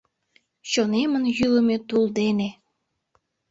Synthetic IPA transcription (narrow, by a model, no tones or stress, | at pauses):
ɕonemənjyləmet̪uld̪ene